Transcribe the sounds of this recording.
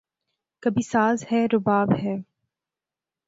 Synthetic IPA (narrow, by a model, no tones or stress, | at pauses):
kɐbʱisaːzhɛːɾʊbaːbɦɛː